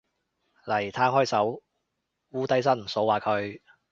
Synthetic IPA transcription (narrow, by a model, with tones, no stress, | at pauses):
lɐ˨˩jt̪ʰaː˥ŋɦɔː˥jsɐ˨˥w | wuː˥t̪ɐ˥js̬ɐ˥nm̩˨˩so˨˥waː˨˩kʰɵ˨˧ɥ